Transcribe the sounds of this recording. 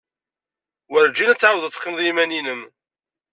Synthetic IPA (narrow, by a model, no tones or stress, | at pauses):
wəɾd͡ʒinæt͡sːʕawðˤət͡sːqːəmðˤjimæninəm